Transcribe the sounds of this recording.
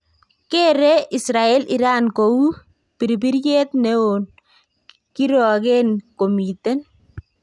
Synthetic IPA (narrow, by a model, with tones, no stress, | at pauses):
ke˦ɾe˦ʔi˨sɾa˨ɛ˦li˨ɾa˦nko˨u˦ | pi˨ɾbi˦ɾje˦tne˦o˨n | kiɾɔ˨ke˦nko˨mi˨tɛ˦n